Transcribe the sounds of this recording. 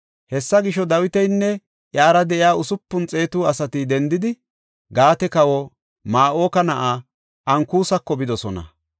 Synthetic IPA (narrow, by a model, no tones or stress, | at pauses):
hɛsːɐɡɪʃɔd̪ɐwɪt̪ɛjnːɛ | ʔjaːɾɐd̪ɛʔɪjaːʊsʊpːʊnt͡sʼe̞ːt̪uːɐsɐt̪ɪd̪ɛnd̪ɪd̪ɪ | ɡaːt̪ɛkɐwɔ | maːʔoːkɐnɐʔaː | ʔɐŋkuːsɐkːɔbɪd̪ɔsɔnɐ̰